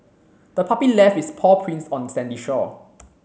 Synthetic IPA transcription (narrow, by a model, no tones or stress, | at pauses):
d̥əpʰapilɛfispʰɔpʰɹĩnsɔ̃nsɛ̃ndiʃɔ